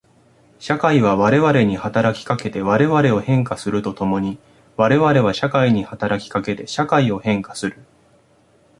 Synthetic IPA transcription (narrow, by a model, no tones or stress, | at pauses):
ɕakaiβ̞aβaɾe̞βaɾe̞ɲ̟ihat̪aɾakʲi̥kake̞t̪e̞βaɾe̞βaɾe̞o̞hẽ̞ŋkasɨɾɯ̟t̪o̞t̪o̞mo̞ɲ̟i | βaɾe̞βaɾe̞βaɕakaiɲ̟ihat̪aɾakʲi̥kake̞t̪e̞ɕakaio̞hẽ̞ŋkḁsɨɾɯ̟